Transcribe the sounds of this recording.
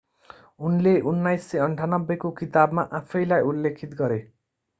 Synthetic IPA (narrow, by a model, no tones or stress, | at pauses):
unleʔunːajsːʌʌɳʈʰanʌbːekokit̪abmaʔapʰʌjlajulːekʰit̪ɡʌɾe